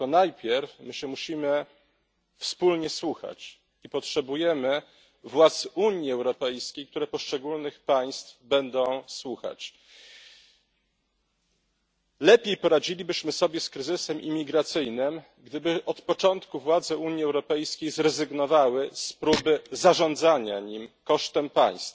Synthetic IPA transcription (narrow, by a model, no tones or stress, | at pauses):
ɔnajpʲjɛɾfmɘɕɛmuɕimɘ | fspulɲɛswuxa̰t͡ɕ | ipɔtʂɛbujɛmɘ | vwat̪suɲiɛwɾɔpɛjskʲejkt̪uɾɛpɔʂt͡ʂɛɡulnɘxpaj̃st̪fbɛnd̪ɔ̃w̃swuxa̰t͡ɕ | lɛpʲjejpɔɾad͡ʑilʲibɘɕmɘsɔbʲjɛskɾɘzɘsɛmʔḭmʲiɡɾat̪sɘjnɘm | ɡd̪ɘbɘʔɔt̪pɔt͡ʂɔnt̪kuvwad̪zɛuɲjiɛwɾɔpɛjskʲejzɾɛzɘɡnɔvawɘspɾubɘzaʐɔnd̪zaɲaɲimkɔʂt̪ɛmpa̰j̃st̪f